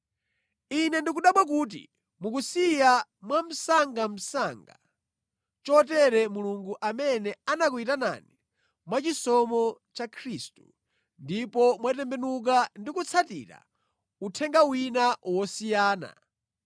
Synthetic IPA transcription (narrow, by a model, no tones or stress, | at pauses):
inɛndik̬uɗaɓwak̬uːt̬ḭ | muk̬usijamwam̩saŋɡam̩saŋɡa | t͡ʃɔtɛɾɛmuluŋɡuʔamɛnɛanak̬uitana̰ni | mwat͡ʃisɔmɔt͡ʃakʰɾistu̥ | ndipɔmwatɛmbɛnuk̬andikut͡sʰatḭɾa̰ | utʰɛŋɡawinawɔsijaːna̰